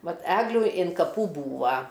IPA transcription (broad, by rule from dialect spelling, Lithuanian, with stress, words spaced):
ˈʋɐt ˈæːɡlʲuː ɪn kɐˈpuː ˈbuːʋɐ